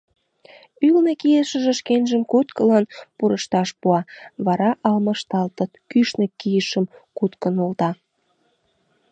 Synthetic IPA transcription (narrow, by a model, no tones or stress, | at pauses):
ylnekijeʃə̆ʒĕʃkenʒəmkut̪kəlɑnpuɾəʃt̪ɑʃpuɑβɑɾɑʔɑlməʃt̪ɑlt̪ət̪kyʃnəkijəʃəmkut̪kənult̪ɑ